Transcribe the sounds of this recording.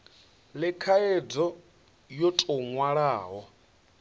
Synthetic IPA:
lɪkʰaed͡zɔ | jotʼɔŋwaɺaːɦɔ

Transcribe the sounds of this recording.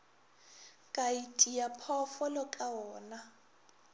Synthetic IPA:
kʼaitʼiapʰɔfɔlɔkʼaɔːna

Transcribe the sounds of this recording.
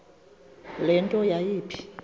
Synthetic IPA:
lɛntʼɔjajiːpʰi̥

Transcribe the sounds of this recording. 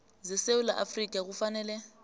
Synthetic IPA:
zɪseʊlaʔa̰frikʼaɣʊfanɛːlɛ

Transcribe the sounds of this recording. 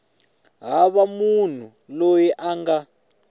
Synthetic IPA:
ɦaβamun̤u | lojɛʔaŋɡa

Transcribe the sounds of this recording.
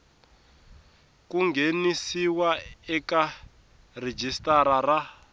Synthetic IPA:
kuŋɡenisiwaɛka | red͡ʒistaɾara

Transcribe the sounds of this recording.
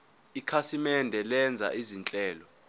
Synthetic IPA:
ikʰasimɛndʱɛlɛnd͡zʱa̰ʔizint͡ɬʼɛːlɔ

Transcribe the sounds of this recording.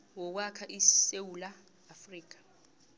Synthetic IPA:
wɔk̬wakʰaʔisewulaː | friːk̬ḁ

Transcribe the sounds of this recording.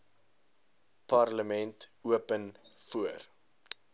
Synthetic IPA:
pɐrləmɛntuəpənfuər

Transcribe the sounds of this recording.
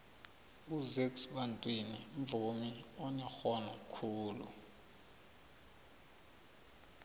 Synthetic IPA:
uzeksɓantʼwiniɱ̩vumiɔɲɛxɔnɔkʰuːlṵ

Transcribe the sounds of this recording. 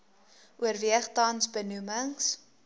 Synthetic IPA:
ʔuərviəχtɐnsbənuməŋs

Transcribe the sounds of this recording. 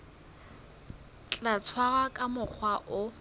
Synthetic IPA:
t͡ɬʼat͡sʰwaɣakʼamʊk͡xʰwaʔʊ

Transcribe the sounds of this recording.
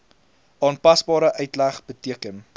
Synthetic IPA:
ʔɑːnpɐsbɑːɾəʔœɥtlæχb̥ətiəkən

